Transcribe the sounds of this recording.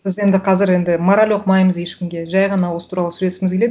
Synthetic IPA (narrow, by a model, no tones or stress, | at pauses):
bɪze̞nd̪ɪqʰɑzɪɾe̞nd̪ɪmoɾalʲo̞qmɑjməzje̞ʃkʲɪmɡʲe̞ʒɑjʁɑnɑwo̞sə̥t̪ʰuɾɑlˠəsʉlesɪmɪzɡʲele̞d̪